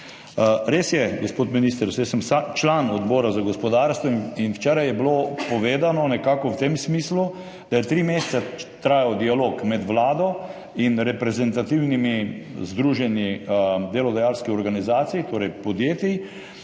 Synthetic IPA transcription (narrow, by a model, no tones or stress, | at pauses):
ɾesjɛɡospoːt̪minist̪əɾsɛsəmsat͡ʃlaːnɔd̪bɔːɾazaɡospɔd̪aːɾst̪ʋɔinwt͡ʃɛːɾajɛblopɔʋeːd̪anɔnɛkaːkɔwt̪emsmiːslu | d̪̥ajɛt̪ɾiːmest̪sat̪ɾaːjɔd̪ialokmɛd̪ʋlaːd̪ɔ | inɾɛpɾɛzɛnt̪at̪iwnimizd̪ɾuːʒɛnid̪elɔd̪ajalskiɔɾɡanizaːt̪sijit̪oːɾɛjpɔd̪jeːt̪i